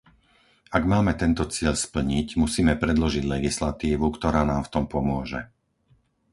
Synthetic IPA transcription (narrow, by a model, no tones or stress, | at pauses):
aɡmaːmɛt̪ɛnt̪ɔt͡sɪɛʎspl̩ɲicmusiːmɛpɾɛd̪lɔʒiɟlɛɡislat̪iːʋukt̪ɔɾaːnaːmft̪ɔmpɔmʊɔʒɛ̰